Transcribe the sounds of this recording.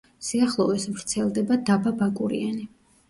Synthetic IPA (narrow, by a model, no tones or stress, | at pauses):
siaχlˠɔvɛsvɾt̪sʰɛlˠd̪ɛbad̪ababakʼuɾḭani